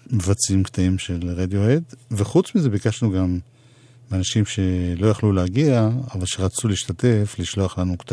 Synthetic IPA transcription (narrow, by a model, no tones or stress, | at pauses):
mevat͡simkt̪aimʃe̞lʁed̪joed̪veχut͡smize̞bikaʃnuɡam | anaʃimʃe̞lo̞jaχluleaɡiaːvalʃeʁat͡suliːʃtate̞fliʃloaχlanukta